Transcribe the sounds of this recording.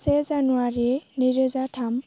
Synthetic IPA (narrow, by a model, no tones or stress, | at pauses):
sɛzanuaɹiniɾezatʰam